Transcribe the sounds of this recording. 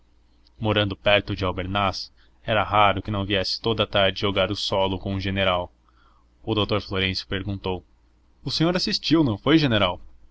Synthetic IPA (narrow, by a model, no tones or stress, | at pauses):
moɾɐ̃nd̪ʊpɛɾt̪ʊd͡ʒɪawbeɾnas | ɛɾɐɦaɾʊkɪnɐ̃w̃viɛsɪ̥t̪od̪ɐt̪aɾd͡ʒɪoɡaɾʊsɔlʊkõʊʒeneɾaw | ʊd̪owt̪oɾfloɾẽsjʊ̥peɾɡũnt̪ow | ʊsẽɲoɾasist͡ʃiwnɐ̃w̃fojʒeneɾaw